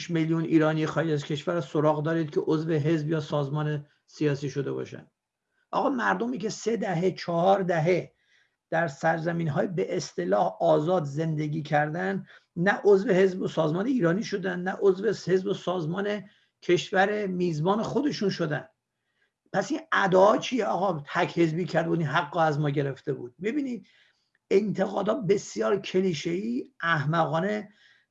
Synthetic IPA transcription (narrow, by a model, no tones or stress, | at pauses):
ʃmeljuniːɾɒːnijexɒːed͡ʒæzcʰe̞ʃvæɾsoɾɒːɣd̪ɒːɾiːd̪̥̚cʰeʔozve̞ɦe̞zbjɒːsɒːzmɒːne̞ | sijɒːsiːʃo̞d̪e̞bɒ̰ːʃæ̰nd̪ | ʔɒ̰ːɣɒːmæɾd̪omicʰe̞se̞d̪æɦet͡ʃʰɒhɒːɾd̪æɦe̞ | d̪̥æɾsæɾzæmiːnɦɒːjebeʔest̪e̞lɒːhɒːzɒːd̪ze̞nd̪e̞ɡʲiːcʰæɾd̪ænd̪ | næʔozve̞he̞zbosɒːzmɒːne̞iːɾɒːniːʃo̞d̪ænd̪næʔozveshe̞zbosɒːzmɒːne̞ | kʰe̞ʃvæɾemiːzbɒːne̞xo̞d̪e̞ʃunʃo̞d̪ænd̪ | pʰæsinæd̪ɒːɒːt͡ʃʰijeɒːɣɒːt̪ʰækʰhe̞zbiːcʰæɾd̪uːd̪inɦæɡːɒæzmɒːɟe̞ɾe̞ft̪e̞buːd̪̥̚mibiːniːd̪̥̚ | ent̪ʰe̞ɣɒːd̪ɒːt̪̚be̞sjɒːɾcʲʰe̞liːʃeiːʔæhmæɣɒːne